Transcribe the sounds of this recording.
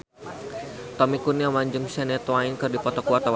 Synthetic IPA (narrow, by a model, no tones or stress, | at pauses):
t̪ɔmikuniawaɲd͡ʒɨŋsɛnɛt̪wainkɨrdipɔt̪ɔkuat̪ɔw